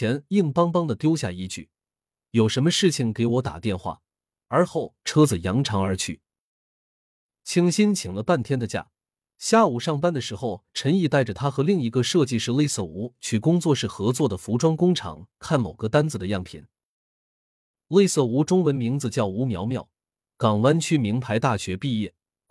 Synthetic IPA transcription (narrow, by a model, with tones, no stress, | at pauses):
jɛ˧˥ni˥˩ŋpɑ˥ŋpɑ˥ŋd̪ə˨t̪jo˥ʊɕja̰˥˧i˥˧t͡ɕy̰˥˩ | jo˨˩ʊʂə˧˥nmə˧ʂɻ̩˥˩t͡ɕʰi˩ŋke˧˥ɪwɔ˧˥t̪a̰˨˩t̪jɛ˥˧nxwa̰˥˩ | ə˞˧˥xo˥˩ʊʈ͡ʂʰɤ˥d͡zɹ̩˨˩jɑ˧˥ŋʈ͡ʂʰɑ˧˥ŋə˞˧˥t͡ɕʰy˥˩ | t͡ɕʰi˥ŋɕi˥nt͡ɕʰi˨˩ŋlə˦pa˥˩nt̪ʰjɛ˥nd̪ə˨t͡ɕja̰˥˩ | ɕja˥˩u˨˩ʂɑ˥˩ŋpa˥nd̪ə˨˩ʂɻ̩˧˥xo˥˧ʊʈ͡ʂʰə˧˥ni˥˧t̪a˥˩ɪʈ͡ʂə˩t̪ʰa˥xɤ˧˥li˥˩ŋi˧˥ɡə˧ʂɤ˥˧t͡ɕi˥˧ʂɻ̩˥˧le˥˧ɪsɤ˥˩u˧˥t͡ɕʰy˥˩kʊ˥ŋt͡swɔ˥˧ʂɻ̩˥˩xɤ˧˥t͡swɔ˥˩d̪ə˩fu˧˥ʈ͡ʂwɑ˥ŋkʊ˥ŋʈ͡ʂʰɑ̰˨˩˥ŋkʰa˥˩nmo˨˩ʊɡə˧t̪a˥nd͡zɹ̩˨˩d̪ə˩jɑ˥˩ŋpʰḭ˨˩˦n | le˥˧ɪsɤ˥˩u˧˥ʈ͡ʂʊ˥ŋwə˧˥nmi˧˥ŋd͡zɹ̩˧t͡ɕjɑ˥˩ʊu˧˥mjɑ˧˥ʊmjɑ˥˩ʊ | kɑ˨˩ŋwa˥nt͡ɕʰy˥mi˧˥ŋpʰa˧˥ɪt̪a˥˩ɕɥɛ˧˥pi˥˧jɛ˥˩